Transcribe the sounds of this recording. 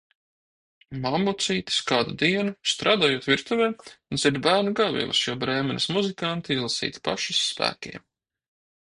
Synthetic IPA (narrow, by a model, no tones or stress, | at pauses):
mamːut̪siːt̪i̥skaːd̪ud̪iɛnust̪ɾʔaːd̪aːjuɔt̪vʲiɾt̪uvʲɛːunziɾd̪bæːɾnuɡavʲḭɛlˠɐ̰sjuɔbɾɛːmɛnʲismuzikant̪iizlˠsḭːt̪pa̰ʃisːpæ̰ːkʲḭɛm